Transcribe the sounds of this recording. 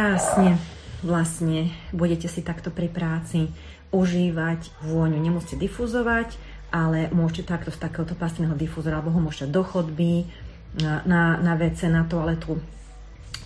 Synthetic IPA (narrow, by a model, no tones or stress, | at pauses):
aːsɲɛʋlasɲɛbuɟɛcɛsit̪akt̪ɔpɾipɾaːt͡si | uʒiːʋac | ʋʊɔɲuɲɛmʊɔscɛd̪ifuzɔʋac | ʔalɛmʊɔʃcɛt̪akt̪ɔst̪akɛːɦɔt̪ɔpast̪inɛɦɔd̪ifuzɔɾalɛbɔɦɔmʊɔʃɛd̪ɔxɔd̪bi | nanaʋɛt͡sɛnat̪ɔalɛt̪uː